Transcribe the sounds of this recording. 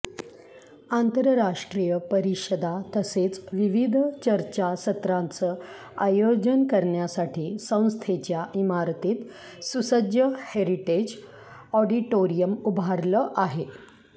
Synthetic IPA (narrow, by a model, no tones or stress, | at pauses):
ant̪əɾəɾaʂʈɾijəpəɾiɕəd̪at̪əset͡sʋiʋid̪ʱt͡ɕəɾt͡ɕasət̪ɾãnt͡səː | ajod͡ʑənkəɾɳjasaʈʰiːsə̃w̃st̪ʰet͡ɕjaʔimaɾt̪iːt̪ | susəd͡ʑjəheɾiʈed͡ʑ | ɔɖiʈoɾijəmubʱaɾləʔaɦe